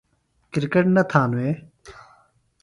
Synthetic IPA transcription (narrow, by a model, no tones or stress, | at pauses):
kiɾkəʈnɐt̪ʰãnweː